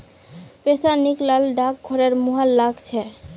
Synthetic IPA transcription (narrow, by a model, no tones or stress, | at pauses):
pesaniklalɖak̚ɡʱoɾeɾmuɦalːaɡt͡ɕʰɛ